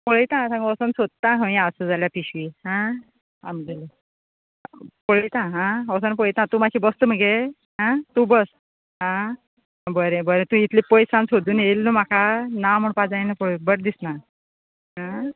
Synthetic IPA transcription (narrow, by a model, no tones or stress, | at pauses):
poɭjt̪ãsãŋɡɔsənsod̪̚t̪aɦə̃j̃asəd͡zaljapiɕʋiɦã | amd͡ʑel | pəɭit̪ãɦãɔsənp̬ɔɭit̪ãt̪umakʰiːbəst̪əm̤əɡe | ɦãt̪ubəs | ɦã | bəɾẽbəɾẽt̪ũit̪ʰlipəjsãnsod̪ʱuːnelːum̤akʰanam̤əɳpad͡zajnapɔɭbəɽ̚d̪isna | ɦã